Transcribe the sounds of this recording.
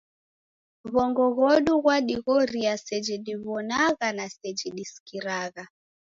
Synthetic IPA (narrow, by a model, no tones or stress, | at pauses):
βɔŋɡɔɣɔɗuɣwaɗiɣɔɾiasɛd͡ʒiɗiβɔnaɣanasɛd͡ʒiɗiskiɾaɣa